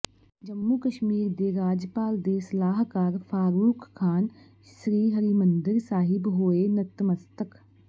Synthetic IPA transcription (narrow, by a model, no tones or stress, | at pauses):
d͡ʒəmːuːkəʃmiːɾd̪eɾaːd͡ʒpaːld̪esɐlaːɦkaːɾfʰaːɾuːkːʰaːn | ʃɾiːɦəɾimə̃nd̪ɪɾsaːɦɪbɦoːenət̪ːməst̪ək